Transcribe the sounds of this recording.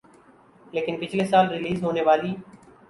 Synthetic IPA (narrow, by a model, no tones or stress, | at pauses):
leːkɪnpɪt͡ʃʰleːsaːlɾɪliːzɦoːneːʋaːliː